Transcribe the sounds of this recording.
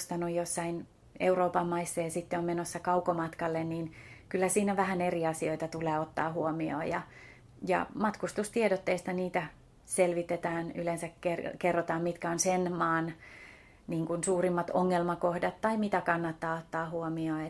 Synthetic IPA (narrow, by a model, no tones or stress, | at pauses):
st̪ɑnojjosːɑin | ḛuroːpɑmːɑisːeːsit̪ːeommenosːɑkɑukomɑt̪kɑlːenniːnkylːæsiːnæʋæhæneriɑsioit̪ɑt̪uleːot̪ːɑ̰ːhuomio̰ːjɑ | jɑ̰mɑt̪kust̪ust̪iedot̪ːeist̪ɑniːt̪æ | selʋit̪et̪æːnylensækkerkerːot̪ɑːmmit̪kæonsenmɑːn | niːŋkunsuːrimːɑt̪oŋːelmɑkohdɑt̪ːɑimit̪ækɑnːɑt̪ːɑːot̪ːɑːhuomioːe